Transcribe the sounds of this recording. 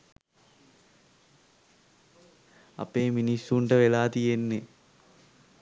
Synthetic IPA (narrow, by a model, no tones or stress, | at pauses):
ɐ̰pːeːminisuɳɖɐʋelaːt̪ienːe